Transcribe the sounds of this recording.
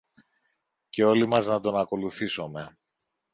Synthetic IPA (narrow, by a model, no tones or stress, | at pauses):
ce̞o̞limɐznɐt̪o̞nɐko̞luθiso̞me̞